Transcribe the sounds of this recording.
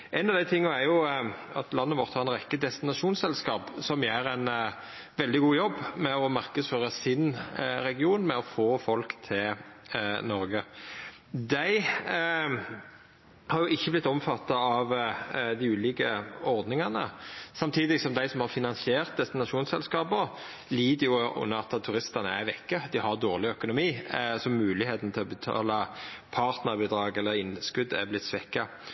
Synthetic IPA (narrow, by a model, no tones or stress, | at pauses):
ʔæɪnɑʋd̪æɪt̪ʰɪŋːəæɾjʊɑt̪lɑnːəʋɔɾt̪hɑɾɛnɾɛkːəd̪ɛst̪ɪnɑʂuːnsɛlskɑːpsɔmjeːɾæɪn | ʋɛld̪ɪɡuːjɔbːmɛɔmɑʁkəsføːɾɑsɪnɾɛɡɪuːnmɛɔfoːfɔlkt̪ʰɪl | nɔɾɡə | d̪æɪ | hɑɾjʊʔɪçːəblɪt̪ːɔmfɑt̪ːɑɑʋd̪ɪʉːliːkəɔɾd̪nɪŋɑnə̰sɑmt̪ʰiːd̪ɪsɔmd̪æɪsɔmhɑɾfɪnɑnsɪeːʁt̪̚d̪ɛst̪ːɪnɑʃuːnsɛlskɑːbə | liːd̪əjʊʊ̰nːəɾɑt̪t̪ʰːʉɾɪst̪ɑnəæʋɛkːəd̪ɪhɑɾd̪oːʁlɪœkʊnʊmiːsɔmʉːlɪheːt̪n̩t̪ʰɪlɔbət̪ʰɑ̰ːlɑpʰɑɾt̪nəɾbiːd̪ɾɑːɡɛlːəɾɪnskʉd̪æ̰blɪt̪ːsʋɛkːɑ